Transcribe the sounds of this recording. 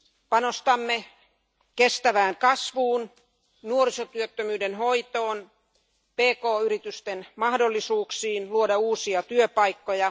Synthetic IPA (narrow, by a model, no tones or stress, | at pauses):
pɑnost̪ɑmːe | kest̪æʋæːŋkɑsʋuːn | nuorisot̪yøt̪ːømyːdenɦoit̪oːn | peːkoːyɾit̪yst̪enmɑhdolːisuːksiːnluodɑuːsiɑt̪yøpɑikːojɑ